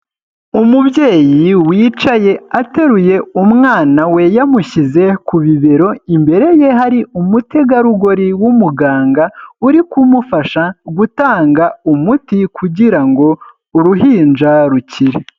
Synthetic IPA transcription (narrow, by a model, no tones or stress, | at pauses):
umubje̞ːjiwiːt͡ʃaje̞ate̞ɾuje̞umŋaːnawe̞jamuɕize̞kuβiβe̞ɾo̞imbe̞ɾe̞je̞ɦaɾiumute̞ɡaɾuɡo̞ɾiwumuɡaːŋɡauɾikumufaʃaɡutaːŋɡaumutikʰuɟiɾaŋɡo̞ | uɾuɦiːnd͡ʒaɾuciɾe